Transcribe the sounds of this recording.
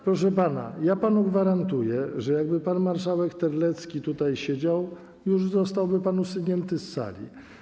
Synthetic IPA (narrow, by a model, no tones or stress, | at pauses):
pɾɔʂɛpana̰japanuɡvaɾant̪ujɛʐɛjaɡ̚bɘpanmaɾʂawɛkt̪ɛɾlɛt̪skʲit̪ut̪ajɕed͡ʑaw | juʐzɔst̪awbɘpanusuɲɛnt̪ɘsːa̰lʲḭ